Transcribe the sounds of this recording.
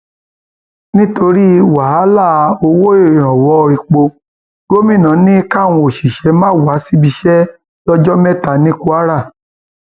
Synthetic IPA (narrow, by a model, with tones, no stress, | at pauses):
nĩ˦to˧ɾi˦wa˨˦a˦la˦˨˧o˧wo˦i˦˨i˨ɾ̃ã˨wɔ˨˦˧i˧k͡po˧ | ɡo˦mĩ˦˨nã˨˦nĩ˦ka˦˨w̃ɔ̃˧o˨ʃi˨ʃɛ˨˦mãː˦˨wa˨˦si˦bi˧ʃɛ˦ | lɔ˦d͡ʒɔ˦mɛ˦˨ta˨nĩ˦ku˧a˦ɾa˦˨